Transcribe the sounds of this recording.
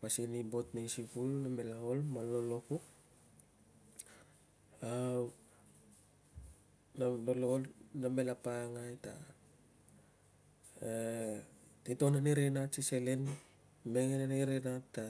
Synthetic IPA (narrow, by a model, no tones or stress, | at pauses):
pasinibo̞tnejsipulname̞laolmaloloku | a | nalololname̞lapaŋajta | tito̞naneɾenatsiselen | meŋenaneɾenatːa